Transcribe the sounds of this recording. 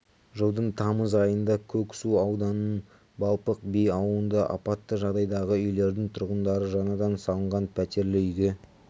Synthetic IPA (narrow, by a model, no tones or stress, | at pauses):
ʒəwˠd̪əɴt̪ʰɑməzɑjənd̪ɑkʲʰɵksuɑwd̪ɑnən | bɑlˠpəq̚bejɑwənd̪ɑʔɑ̰pɑt̪ːəʒɑʁd̪ɑjd̪ɑʁəʏjle̞ɾd̪ɪŋt̪ʰʊɾʁənd̪ɑɾəʒɑnɑd̪ɑnsɑlˠəɴʁɑnpʰæt̪e̞ɾlɪʏɡʲe